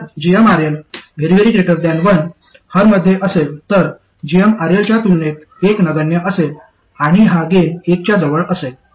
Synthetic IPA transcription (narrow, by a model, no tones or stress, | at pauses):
d͡ʑijəmaɾelʋʱeɾiʋeɾiʈɾeʈəɾd̪janʋən | həɾməd̪ʱːjeʔəselt̪əɾ | d͡ʑijəmaɾjelt͡ɕjat̪ulnet̪ | eknəɡəɳjəʔəsel | aɽ̃iɦaɡenek̚t͡ɕjad͡zəʋəɭəsel